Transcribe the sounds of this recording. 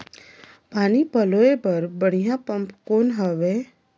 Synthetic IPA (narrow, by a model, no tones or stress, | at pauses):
paːnipəloepɐɾbəɽ̤ijãpə̃mpkoːnɦəʋe